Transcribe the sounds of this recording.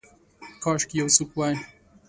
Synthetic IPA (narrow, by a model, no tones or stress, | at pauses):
kʰɑːʃkjɛwsukwajn